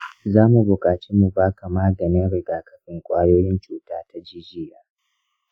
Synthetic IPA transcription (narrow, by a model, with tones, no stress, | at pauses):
zaː˦mu˨bʊ˨kʼaː˨t͡ʃeː˦mu˨baː˦kʰa˨maː˦ɡɐ˨nɪ˦nɽɪ˨ɡaː˨kɐ˨ɸɪ˦ŋkʷʼaː˦joː˦jɪ˦nt͡ʃuː˦taː˦tʰa˦d͡ʒiː˦d͡ʒɪː˦jaː˨